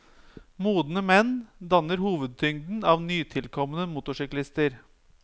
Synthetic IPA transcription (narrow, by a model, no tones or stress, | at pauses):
muːd̪n̩əmɛnd̪ɑnəɾhuːʋəd̪̚t̪ʰʏŋd̪n̩ɑːʋnyːt̪ʰɪlkʰɔmənəmʊt̪ʊʂʏklɪst̪əɾ